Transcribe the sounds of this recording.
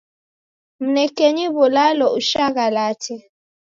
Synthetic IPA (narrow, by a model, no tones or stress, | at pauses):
m̩nɛkeɲiβɔlalɔuʃaɣalatʰɛ